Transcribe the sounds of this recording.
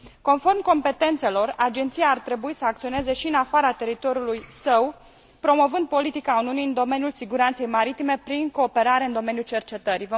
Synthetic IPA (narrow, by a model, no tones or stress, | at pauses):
ko̞nfo̞rmko̞mpe̞t̪e̞nt̪se̞lo̞rad͡ʒe̞nt̪sijaːrt̪ɾe̞buisəak̚t̪sio̞ne̞ze̞ʃiɨnafaɾat̪e̞ɾit̪o̞ɾjulujsəw | pɾo̞mo̞vɨnd̪̚po̞lit̪ikauniuniɨnd̪o̞me̞njulsiɡuɾant̪se̞jmaɾit̪ime̞pɾiŋko̞ːpe̞ɾaɾe̞ɨnd̪o̞me̞njult͡ʃe̞rt͡ʃe̞t̪əɾivə